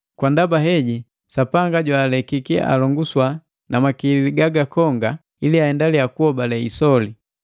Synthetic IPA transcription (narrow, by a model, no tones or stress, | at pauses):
kwandabaɦɛɟi | sapaŋɡaɟwaːlɛkikḭa̰lɔŋɡuswa | namakililiɡaɡakɔŋɡa | iliahɛndaliakuhɔbalɛisɔli